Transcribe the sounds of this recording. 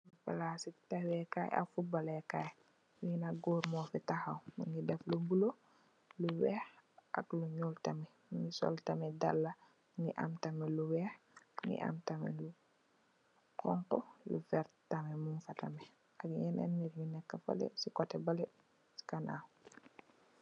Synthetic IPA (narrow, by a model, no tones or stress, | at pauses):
fa̰lasitawɛkaːja̰fubalɛkaj | wiinaɡoːɾmɔfɛtahawmuɲɡidɛflubulo | luwɛhʔa̰kluɲultamɛ | muŋɡisɔ̰ltamɛdalːa | ŋiʔa̰mtamɛluwɛːh | ŋḭʔa̰mtamɛ̰lu | kɔŋkɔlṵfɛɾtamɛmunfata̰mɛ | ʔakɲɛnʔɛ̰nːiɾjunɛkːafa̰lɛ̰sikɔtɛbalɛ | si̥kana̰